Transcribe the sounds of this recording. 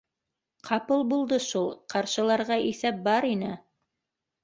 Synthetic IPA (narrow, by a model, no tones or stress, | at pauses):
qʰɑpɤlˠbulˠd̪ɤʃulˠqɑɾʃɤ̆lˠɑɾʁɑʔiθæp̚bɑɾinɘ